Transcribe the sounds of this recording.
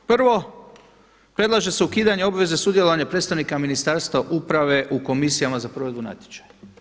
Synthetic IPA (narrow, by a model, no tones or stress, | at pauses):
pr̩ʋo̞ | pɾe̞d̪lˠaʒe̞seukiːd̪aɲe̞o̞bʋe̞zesud̪je̞lˠoaɲapɾed̪st̪aʋnikaminist̪aɾst̪ʋaʔupɾaʋe̞ʔuko̞misijamazapɾo̞ʋe̞d̪buna̰t̪je̥t͡ʃḁja